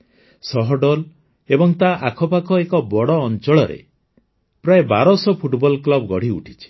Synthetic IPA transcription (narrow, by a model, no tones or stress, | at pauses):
sɔɦɔɖɔl | ebɔŋt̪aʔakʰɔpakɔekɔbɔɽɔːnt͡ʃɔɭɔɾḛ | pɾaeba̰ɾɔsɔpʰuʈbɔlklɔbɡɔɽ̤iṵʈʰi̥t͡ʃʰi̥